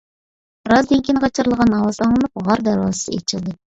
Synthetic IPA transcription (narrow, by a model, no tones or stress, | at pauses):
bɾɑzd̪eŋkʲʰinʁɑt͡ʃʰɨɾlˠəʁɑnɑwɑzɑŋlˠɨnɨp̚ʁɑɾd̪æɾwɑ̰sɨ̥sɨḛt͡ʃʰɪlˠd̪ɪ